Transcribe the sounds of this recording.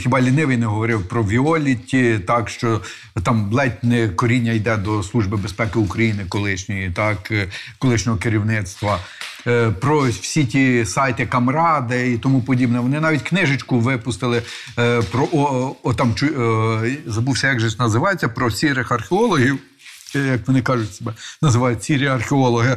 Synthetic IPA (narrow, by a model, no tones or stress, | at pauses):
xʲibɑlʲinɪʋɪjnɛɦɔʋɔɾɪwpɾɔʋʲiɔlʲitʲit̪ɑkʃt͡ʃɔ | t̪ɑmblˠɛtʲnɛkɔɾʲinʲːɐjd̪ɛd̪ɔslˠuʒbɪbespɛkɪukɾɐjinɪkɔlˠɪʃnʲɔjit̪ɑkkɔlˠɪʃnʲɔɦɔkɪɾʲiwnɪt̪st̪ʋɐ | pɾɔwsʲitʲisɑjt̪ɪkɐmɾɑd̪ɪit̪ɔmupɔdʲibnɛʋɔnɪnɑʋʲitʲknɪʒɪt͡ʃkʊʋɪpʊst̪ɪlˠɪ | pɾɔʔɔɔt̪ɑmt͡ʃʊ | zɐbuwsʲɐjɑɡʒɛnɐzɪʋɑjet͡sʲːɐpɾɔsʲiɾɪxɐrxʲeɔlˠɔɦʲiw | jɐkʋɔnɪkɑʒʊtʲsebɛnɐzɪʋɑjʊt̚ʲsʲiɾiɐrxʲeɔlˠɔɦɪ